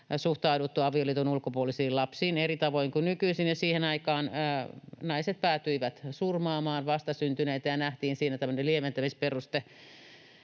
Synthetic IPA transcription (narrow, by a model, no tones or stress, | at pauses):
suht̪ɑudut̪ːuɑʋioliːt̪unulkopuolisiːlɑpsiːnerit̪ɑʋoiŋkunykyisinjɑsiːhenɑikɑːnənɑiset̪̚pæːt̪yiʋæt̪surmɑːmɑːnʋɑst̪ɑsynt̪yneːt̪æjɑnæht̪iːnsiːnæt̪æmːø̆neliement̪æmisperust̪e